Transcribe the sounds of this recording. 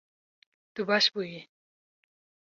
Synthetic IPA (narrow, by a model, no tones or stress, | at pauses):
t̪ubaɕbuji